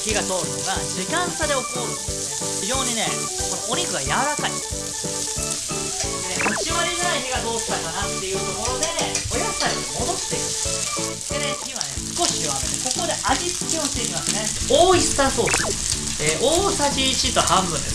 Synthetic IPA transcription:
çiɡat̪o̞ːɾɯmad͡ʑikãnt̪ad̪e̞o̞kɯnoɾɯ̟o | çid͡ʑo̞ːɲ̟ine̞ | ko̞nooɲ̟ʲiɡɯ̟ɡajamaɾakaḭ | eit͡ɕiβaɾʲinanaiçiɡad̪o̞ːsɨ̥t̪akanat̪ːe̞jɯ̟ːt̪o̞ko̞ɾo̞d̪e̞o̞jasaɾʲiomo̞d̪o̞t̪ːe̞ima | d̪eeçiβanesɨ̥ko̞ɕijoaɾɯneko̞kod̪e̞ʔaʑit͡sɨ̥kʲoːɕt̪eimasɨne̞oːist̪asoːi | eːʔoːsaʑiːt͡ɕit̪ohãmbɯ̟̃nd̪e

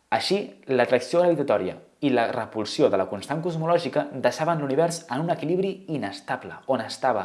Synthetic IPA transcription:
əʃilət̪ɾəksioɣɾəβit̪ət̪ɔɾiə̰ | ilərəpulˠsioðələkunst̪aŋkuzmulɔʒikəd̪əʃaβənluniβ̞ɛɾsənunəkiliβɾiinəst̪abləonəst̪aβə

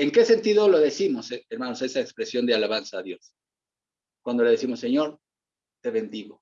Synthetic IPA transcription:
e̞ŋke̞se̞nt̪iðo̞lo̞ðesimo̞seeɾmanosesaekspɾe̞sjo̞nd̪ealaβansaːðjo̞s | kwand̪oleðesimo̞sːeɲo̞ɾ | t̪eβe̞nd̪iɣo̞

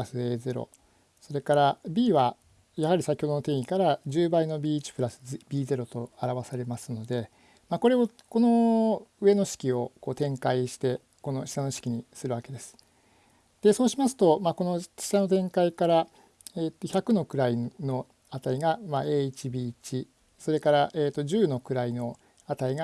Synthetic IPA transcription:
ɾasɨe̞ːze̞ɾo̰ | so̞ɾe̞kaɾabʲiːβa | jaɦaɾʲisakʲi̥hod̪o̞no̞t̪ẽ̞ːɰ̃ikaɾad͡ʑɨːbaino̞bʲiːt͡ɕi̥pɯ̟ɾasɨ̥bʲiːze̞ɾo̞t̪o̞aɾaβasaɾe̞masɨno̞d̪e̞ | mako̞ɾe̞oko̞no̞ɯ̟e̞no̞ɕi̥kʲio̞ko̞ːt̪ẽ̞ŋkaiɕi̥t̪e̞ | ko̞no̞ɕi̥t̪ano̞ɕi̥kʲiɲ̟isɨɾɯ̟βake̞d̪e̞sɨ̥ | d̪̥e̞so̞ːɕimasɨ̥t̪o̞mako̞no̞ɕi̥t̪ano̞t̪̬ẽ̞ŋkaikaɾa | eːt̪ːo̞çakɯ̟no̞kɯ̟ɾaino̞ | at̪aiɡamaeːit͡ɕibʲiːt͡ɕi | so̞ɾe̞kaɾaʔeːt̪ːo̞ʑɨːno̞kɯ̟ɾaino̞ | at̪aiɡa

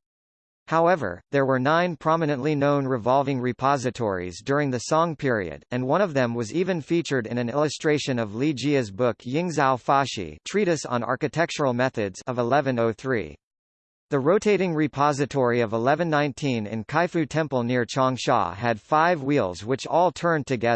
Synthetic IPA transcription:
haʊɛvə̰˞ðə˞wə˞nãɪ̃npʰɹ̥ɑmɨnɨ̃nʔlinõʊ̃nɹɨvɑlˠvɪ̃ŋɹɨpʰɑzɨtʰɔ̰ɹḭzdʊɹɪ̃ŋðɨsɔ̃ŋpʰɪɹḭɨ̰ɾɨ̃nwʌ̃ɾ̃ʌvðɨ̃mwʌzivɨ̃nfit͡ʃə˞ɾɨ̃nɨ̃nɪlˠəstɹ̥eɪʃɨ̃nʌvlid͡ʒiɨzbʊkʰjɪ̃ŋzælˠfɑʃḭtʰɹ̥iɾɨsn̩ɑ̰ɹkɨtʰɛk̚t͡ʃə˞l̩ˠmɛθɨdz̥ʌvəlɛvɨ̃noʊθɹḭ | ðɨɹoʊtʰeɪɾɪ̃ŋɹɨpʰɑzɨtʰɔɹiʌvəlɛvɨ̃nːãɪ̃ntʰĩnɪ̰̃nkʰaɪfʉtʰɛ̃mpl̩ˠnɪɹt͡ʃʰɑ̃ŋʃɑ̰ɨd̥faɪvwilˠzwɨt͡ʃɔlˠtʰɜ̃˞ntʰɨɡɛð

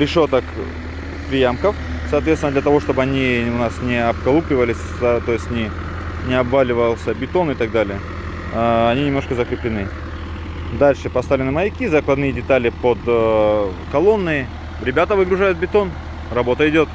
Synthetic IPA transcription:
ɾʲɪʂot̪ək | pɾʲɪjamkəf | sɐːt̪vʲet̪st̪vɪnd̪lʲət̪ɐvo̞ʂt̪o̞bɨɐnʲiʊnasnʲɪɐb̚kɐlˠuplʲɪvəlʲɪsʲ | t̪o̞jɪsʲtʲnʲɪ | nʲɪɐbvalʲɪvəjlˠsʲəbʲɪt̪o̞nɪt̪aɡ̚d̪alʲɪjə | ɐnʲinʲɪmnoʂkəzəkɾʲɪplʲɪnɨ | d̪alʲʂɨpɐst̪avlʲɪnɨmɐjɪkʲizɐklˠɐd̪nɨjədʲɪt̪alʲɪpod̪ | kɐlˠo̞nːɨ | ɾʲɪbʲat̪əvɨɡɾʊʐajʊt̪̚bʲɪt̪o̞n | rɐbo̞t̪əɪdʲo̞t̪

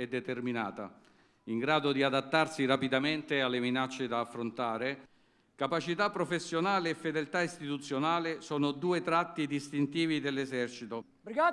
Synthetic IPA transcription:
ɛd̪ːet̪ermina̰ːt̪a̰ | iŋɡɾaːd̪od̪iad̪at̪ːarsirapid̪ament̪ealːeminat͡ʃːed̪aːfːɾont̪aːɾe | kapat͡ʃit̪apːɾofesːjonaːleɛfːed̪elt̪aist̪it̪ut̪sːjonaːlesɔːnod̪uːet̪ɾat̪ːid̪ist̪int̪iːvid̪elːezɛrt͡ʃit̪o | bɾiɡa

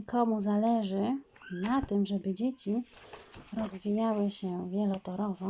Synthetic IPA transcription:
ikʰɔmuzalɛʐɘnat̪ɘmʐɛbɘd͡ʑet͡ɕi | ɾɔzvʲijawɘɕɛvʲjɛlɔt̪ɔɾɔvɔ

